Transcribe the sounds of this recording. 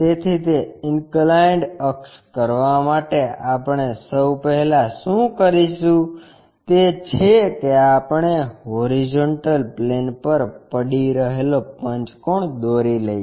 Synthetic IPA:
t̪et̪ʰit̪eɪnklaɳɖəkskəɾʋamaʈeapəɳesəwpəɦɛlaʃũkəɾiʃũ | t̪et͡ʃʰekeapəɳ̃eɦoɾid͡ʒoɳʈəlplenpəɾpəɽiɾəɦelopəɲt͡ʃkoɳd̪oɾiləj

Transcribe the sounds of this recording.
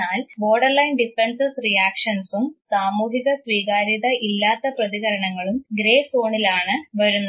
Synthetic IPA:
aːlbo̞ːɖɐrlɐjnɖifensɨsrijaːkʂɐnsumsaːmuːɦiɣɐsʋiːɣaːɾiðɐʔilːaːt̪ːɐprɐðiɣɐɾɐɳɐŋːɐɭumɡɾe̞ːso̞ːɳilaːɳɨʋɐɾunːɐ

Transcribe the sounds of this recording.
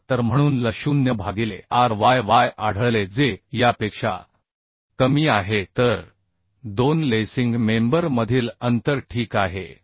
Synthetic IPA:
t̪əɾm̤əɽ̃uːnləɕuːnjəbʱaɡilḛaɾʋajʋajaɽ̤əɭled͡zejapekʂa̰ | kəmiːaɦet̪əɾ | d̪onlesiŋɡmembəɾməd̪ʱiːlənt̪əɾʈʰiːkaɦḛ

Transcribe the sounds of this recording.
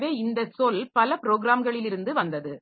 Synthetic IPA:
ʋeːɪnd̪ɐsolpɐlɐpɾoːɡɾaːmɡɐɭɪlɪɾɯnd̪ɯʋɐnd̪ɐðɯ

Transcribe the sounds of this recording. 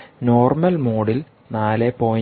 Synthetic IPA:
no̞ːrmɐlmoːɽil | naːlepoː

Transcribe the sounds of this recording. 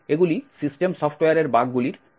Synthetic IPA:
eɡulisisʈemsɔfʰʈwejaɾeɾbaɡɡuliɾ

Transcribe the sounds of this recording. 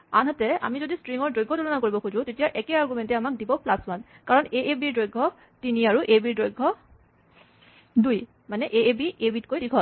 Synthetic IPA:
anɦatɛa̰mizodistɹiŋɔɹdojɡʱːɔtulɔnak̬oɹibɔkuzʊ̃tetijaʔɛkɛaɹɡumɛntɛamak̚dibɔplaswan | kaɹɔneʔebiɹdojɡʱɔ | tiniaɹuʔebiɹdojɡʱːɔ | duj | manɛʔeebiʔebitkojdikʰɔt

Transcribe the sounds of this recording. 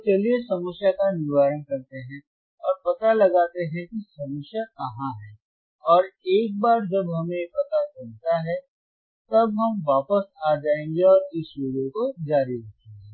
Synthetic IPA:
t͡ʃeliesɐməsjakanɪʋaːɾənkɐɾt̪eɦɛ̃ | ɔːɾpɐt̪alɐɡaːt̪eɦɛ̃kisɐməsjakɐɦãɦɛː | ɔːɾeːk̚baːɾd͡ʒɐbɦɐmẽpɐt̪at͡ʃɐlt̪aɦɛ | t̪ɐbɦɐmʋaːpəsaːd͡ʒaːẽːŋ̆ɡeɔːɾɪsoːɽẽkod͡ʒaːɾiɾɐkʰːẽɡe

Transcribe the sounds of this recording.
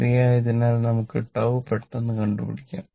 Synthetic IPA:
rijaːjɐðinaːlnɐmukːɨʈːɐʋɨpeʈːenːɨkɐɳɖupḭɽikʲːa̰ːm

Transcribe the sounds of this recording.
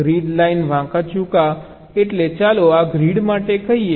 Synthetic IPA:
ɾiɖlainʋãkat͡ʃũka | eʈlet͡ʃaloaɡɾiɽmaʈekəɦie

